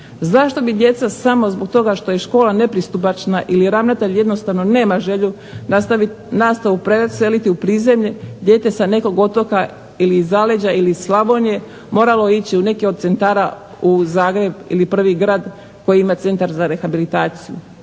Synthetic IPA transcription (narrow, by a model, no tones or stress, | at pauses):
zaʃt̪o̞bid̪je̞t̪sasamo̞zbo̞ɡ̚t̪o̞ɡaʃt̪o̞je̞ʃko̞ːlˠane̞pɾist̪up̬at͡ʃnaʔiliɾaʋnat̪eʎje̞d̪no̞st̪aʋno̞ne̞ːmaʒe̞ʎu | nat̪i | nast̪aʋupɾese̞lit̪iupɾiːze̞mʎed̪je̞ːt̪e̞sane̞ko̞ɡo̞t̪o̞ka | ilizale̞d͡ʑailislˠaʋo̞nje̞ | mo̞ːɾalo̞it͡ɕiune̞keod̪t̪se̞nt̪aːɾa | uzaːɡɾe̞bḭlipr̩ʋiɡɾaːd̪ | ko̞jiimat̪se̞nt̪aɾzaɾe̞xabilit̪aːt̪sijṵ